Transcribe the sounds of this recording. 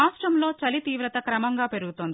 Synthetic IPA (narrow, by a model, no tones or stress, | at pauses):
aːsʈɾɐmlo̞ːt͡ʃɐlit̪iːʋɾɐt̪ɐkɾɐmɐŋɡaːpe̞ɾuɡut̪oːnd̪i